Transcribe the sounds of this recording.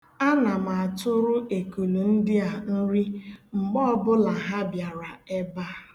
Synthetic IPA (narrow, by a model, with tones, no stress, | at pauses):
a˦na˨ma˨tʊ˦ɾʊ˦ʔe˨ku˨lu˨n̩˦dɪ˦a˨n̩˦ɾi˦ŋ͡m̩˨ɡ͡bɔ˦bʊ˦la˨ɦa˦bja˨ɾa˨e˦ba˦˨